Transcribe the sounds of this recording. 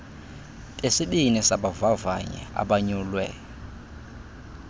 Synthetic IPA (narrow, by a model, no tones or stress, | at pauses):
tʼesiɓinɛsaɓavavaɲɛ̰a̰ɓaɲulwɛ